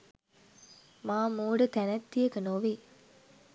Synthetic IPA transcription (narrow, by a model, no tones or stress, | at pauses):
maːmuːɖət̪ænɐt̪ːijəkənoʋe